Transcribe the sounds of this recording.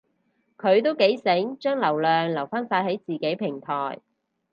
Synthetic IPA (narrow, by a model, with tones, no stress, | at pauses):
kʰɵ˨˧ɥt̪o˥wke˨˥jsɪ˨˥ŋt͡ʃœː˥ŋlɐ˨˩wlœː˨ŋlɐ˨˩wfaː˥nfaː˧t̚he˨˥jt͡siː˨ke˨˥jpʰɪ˨˩ŋt̪ʰɔː˨˩j